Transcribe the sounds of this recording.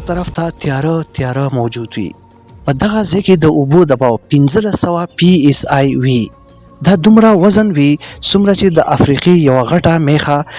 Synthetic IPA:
t̪aɾaft̪at̪jɑɾət̪jɑɾəmawd͡ʒud̪wḭ | pəd̪aɣazaked̪əʔubod̪abɑwpɪnzəlasːawapiesajwi | d̪ɑd̪umɾawazənwisumɾat͡ʃed̪əʔafɾiqijawaɣaʈamexa

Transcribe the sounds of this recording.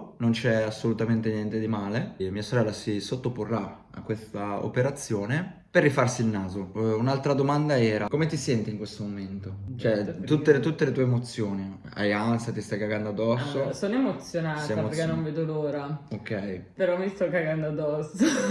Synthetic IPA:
nont͡ʃɛasːolut̪ament̪enjɛnt̪ed̪imaːlemiːasoɾɛlːasisot̪ːoporːa | a̰kːwest̪ao̰peɾat̪sːjoːne | perːifarsilnaːzounalt̪ɾad̪omand̪aɛːɾakomet̪isɛnt̪iŋkwest̪omoment̪ot͡ʃoɛt̪ut̪ːelet̪ut̪ːelet̪uemot̪sːjoːni | a̰jant̪sat̪ist̪ajkaɡand̪oad̪ːɔsːosoːnoemot̪sjonaːt̪aameɾkenonveːd̪oloːɾaokːɛjpeɾɔmist̪ɔkːaɡand̪oad̪ːɔsːo

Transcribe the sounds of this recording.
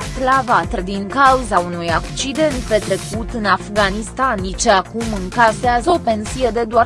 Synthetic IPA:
slavat̪əd̪iŋkauzaunujakt͡ʃid̪e̞nt̪̚pe̞t̪ɾe̞kut̪ɨnafɡanist̪anit͡ʃeakumɨŋkaseazəo̞pe̞nsije̞d̪e̞d̪oar

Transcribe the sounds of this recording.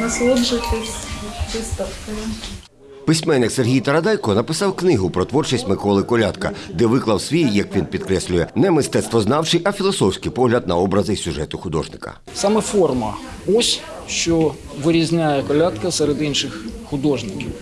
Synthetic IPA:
nɐslˠudʒɪt̪ɪsʲt͡ʃɪst̪ɐfkʲin | pɪsʲmɛnːɪkserɦʲijt̪ɐɾɐd̪ɑjkɔnɐpɪsɑwknɪɦʊpɾɔt̪ʋɔrt͡ʃɪsʲtʲmɪkɔlˠɪkɔlʲat̪kɐ̰d̪ɛʋɪklˠɐwsʲʋʲijjɐkʋʲinpʲid̪kɾɛsʲlʲʊjɛnɛmɪst̪ɛt̪st̪ʋɔznɑwt͡ʃɪjʔɐfʲilˠɔsɔwsʲkɪjpɔɦlʲɐd̪̚nɐɔbɾɐzɪsʲuʒɛt̪ʊxʊd̪ɔ̰ʒnɪkɐ̰ | sɑmɛfɔrmɐ | ɔsʲ | ʃt͡ʃɔ | ʋɪɾʲizʲnʲajɛkɔlʲat̪kɐsɛɾed̪inʃɪxxʊd̪ɔʒnɪkʲiw

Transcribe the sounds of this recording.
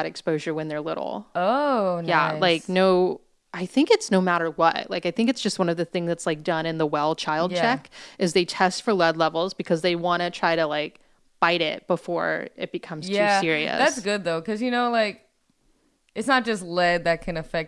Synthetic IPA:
ɨɾɨkspoʊʒə˞wɨ̃nðə˞lɪ̰ɾl̩ˠojæ̰laɪknoʊ | ʔaɪθɪ̃ŋkɨtsnoʊmæɾə˞wʌ̰tlaɪkaɪθɪ̃ŋkɨtsd̥ʒ̥ʌst̚wʌ̃ñʌvðɨθɪ̃ŋzðɨtslaɪk̚d̥ʌ̃nɨ̃nðəwɛlˠt͡ʃʰaɪlˠd̚t͡ʃʰɛkʔɨzðeɪtʰɛstfə˞lɛdˡlɛvl̩ˠzbɨkʰʌzðeɪwɑ̃ɾ̃ɨtʰɹ̥aɪɾɨlaɪk̚ | b̥aɪɾɪ̰t̚b̥əfɔ̰ɹɪ̰t̚b̥ɨkʰʌ̃mz̥jtʰæʉsɪɹiɨ̰ðsætsɡ̥ʊd̪̚ðoʊkʰʌzjɨnoʊlaɪk̚ | ʔɨtsnət̚d̥ʒ̥ʌstˡlɛd̪̚ðɨt̚kʰɨ̃nɨfɛk̚

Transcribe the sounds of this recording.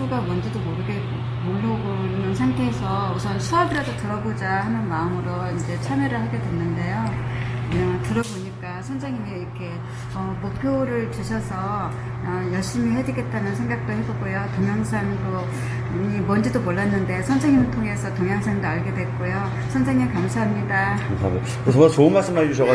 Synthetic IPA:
uɡamʌnd͡ʑidomoɾɯɡe | moɭːaɡoɯnɯnsʰaŋtʰeːsʰʌusʰʌnsʰuabiɾadotɯɾʌbod͡ʑahanɯnmaɯmɯɾoind͡ʑe̞t͡ɕʰamjeɾɯɭhaɡe̞dwe̞nːɯnde̞jo | aŋtɯɾʌboɲik͈asʰʌnsʰeŋimiikʰe̞ | ʌmok̚pʰjoɾɯɭt͡ɕuɕʰʌsʰʌ | ʌjʌɭɕ͈imihe̞dɥiɡe̞t̚t͈anɯnsʰe̞ŋɡak̚t͈oɦe̞boɡojotoŋjʌŋsʰanɯto | ɲimʌnd͡ʑidomoɭːanːɯnde̞sʰʌnsʰeŋːimɯtʰoŋe̞sʰʌtoŋjaŋsʰeŋdoaɭɡe̞dwe̞k̚k͈ojo | sʰʌnsʰeŋɲːimkamsʰaɦamɲidakamsamo | kes̬ʰʌmʌt͡ɕoɯnmaɭs͈ɯmɦaid͡ʑuɕ̬ʰʌɡa

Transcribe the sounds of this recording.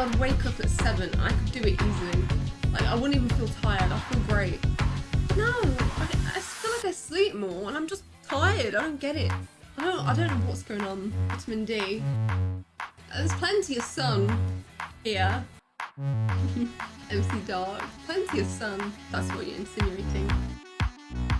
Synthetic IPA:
ðweɪkʰʌpɨtsɛvɨ̃na̰ɪkʰɨdɨɪtizlilaɪkaɪwʌ̃ʊ̃ñtivə̃n̩filˠtʰaɪə˞daɪfilˠɡɹeɪt̚noʊa̰ɪa̰ɪfilˠaɪk̚ɛsliˑp̚mɔɹə̃nãɪ̃md͡ʒʌs | tʰaɪə˞daɪdõʊ̃nɡ̥ɛɾɪt̚ | aɪdõʊ̃aɪdõʊ̃nːoʊwɒtsɡ̥oʊɪ̃ŋə̃nwɪtʰmɪ̃ndi | ʔðəz̥pʰl̥ɛ̃ntiʌv̥sʌ̃ŋ | hiɹ | m̥̩ɑvəslidɑɹkpʰl̥ɛ̃ntiɨv̥sʌ̃ŋðætswʌ̰t͡ʃə̰˞ɨ̰̃nsɪ̃njʉeɪtɪ̃ŋ

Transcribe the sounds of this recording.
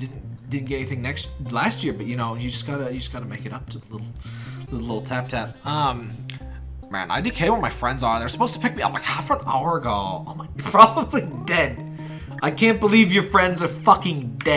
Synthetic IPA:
d̥ɪdⁿn̩d̥ɪdⁿn̩ɡɛɾɛ̃niθɪ̃ŋnɛkst̚læst̚jɪɹbʌt̚jɨnoʊjɨd͡ʒʌsɡ̥ɑɾɨjɨd͡ʒʌsɡ̥ɑɾɨmeɪkɨɾʌp̚tʰɨðəlɪɾl̩ˠðɪl̩lɪɾl̩ˠtʰæp̚tʰæp̚ʌ̃m | mæ̰̃nʔa̰ɪdɨkʰeɪwə̃nmaɪfɹɛ̃ndzə˞ðə˞sə̥pʰoʊz̥tʰə̥pʰɪk̚miʌ̰plaɪkhaʊfə˞ə̃na̰ʊə˞ɨɡoʊã̰ɪ̃mlaɪkjə˞pʰɹ̥ɑbəblidɛd̥̚ | ʔaɪkʰæ̃nb̥əlivjə˞fɹɛ̃ndzə˞fʌkɪ̃ŋdɛ

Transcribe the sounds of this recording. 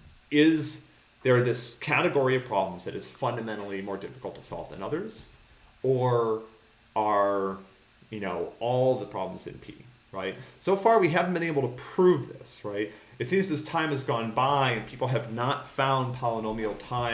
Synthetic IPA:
ɪz | ðə˞ðɪskʰæɾɨɡɔɹiʌv̥pʰɹ̥ɑbl̃m̩zðɨɾɨz̥fʌ̃ndɨmɛ̃ɾ̃l̩ˠimɔɹdɪfə̥kl̩ˠtʰə̥sɔ̰lˠvðɨ̰̃nʌðə˞z̥ | ə˞ | ʔə˞ | jɨnoʊɔlˠðəpʰɹ̥ɑ̰bl̃m̩zɨ̰̃npʰḭ | ɹaɪt̚soʊfɑɹwiɦævn̩bɨ̃ñeɪbl̩ˠtʰəpʰɹ̥uvðɪ̰sɹaɪt̚ | ɨtsĩmzɨz̥tʰãɪ̃mɨzɡɔ̃nbaɪɨ̃npʰipl̩ˠɨvnətfãʊ̃npʰɑlˠənõʊ̃mil̩ˠtʰãɪ̃

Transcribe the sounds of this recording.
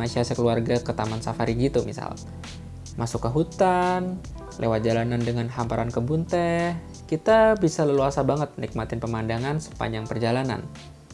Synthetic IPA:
asiasəkəluarɡakət̪amansafaɾiɡit̪umḭsa̰l | mʔasukːəɦut̪an | lʔewat̪̚d͡ʒalanandəŋanɦampaɾankəbunt̪ɛh | kit̪abisaləluasabaŋət̪̚ənik̚mat̪ɪnpəmandaŋansə̥pa̰ɲd͡ʒaŋpərd͡ʒalana̰n

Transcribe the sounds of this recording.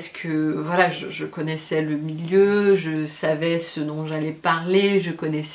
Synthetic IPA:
skʰəvwalaʒəʒəkɔnɛsɛləmiljøʒəsavɛsəd̪ɔ̃ʒalɛpaʁleʒəkɔnɛs

